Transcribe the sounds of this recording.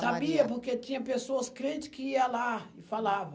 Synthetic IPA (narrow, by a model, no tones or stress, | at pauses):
sabiɐpoɾket͡ʃĩɲɐpesoɐskɾẽnt͡ʃɪ̥kɪiɐlaɪfalavɐ̃